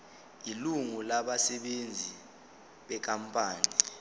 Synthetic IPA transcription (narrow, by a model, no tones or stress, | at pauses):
iluŋulaɓasɛɓend͡zʱi | ɓɛk̬ʼampʼaːni